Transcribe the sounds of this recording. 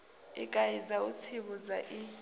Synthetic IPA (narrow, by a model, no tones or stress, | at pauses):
ḭkʼajizaut͡sʰiɓuzaʔi